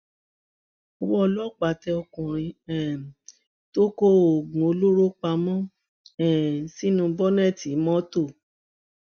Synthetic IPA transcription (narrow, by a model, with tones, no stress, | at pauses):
ɔ˧˨˧wɔ˦˧lɔ˦k͡pa˨tɛ˧ɔ˧kɔ̃˨ɾ̃ĩ˧ɛ˨ | to˦ko˦o˨ɡũ˨o˧lo˦ɾo˦k͡pa˧˦mɔ̃˦ | ɛ˨si˦nũ˧˦bɔ˦nɛ˦˨ti˨˦mɔ̃˦to˦˨